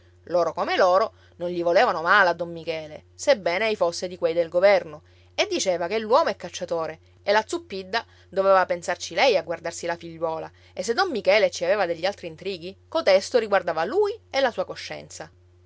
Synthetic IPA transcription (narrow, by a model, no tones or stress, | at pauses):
loːɾokomeloːɾo | nonʎivoleːvanomaːlead̪ːomːikɛːlḛsebːɛːnejfosːed̪ikwejd̪elɡovɛrno | ed̪ːit͡ʃeːvakelːwɔːmoɛkːat͡ʃːat̪oːɾe | elat̪supːid̪ːa | d̪ovɛeːvapensart͡ʃilɛjaɡward̪arsilafiʎːwɔːla̰ | esːed̪ːomːikɛːlet͡ʃiaveːvad̪eʎːialt̪ɾiːnt̪ɾiːɡikot̪ɛst̪oɾiɡward̪aːvaluːjelːasuːakoʃːɛ̰nt̪sa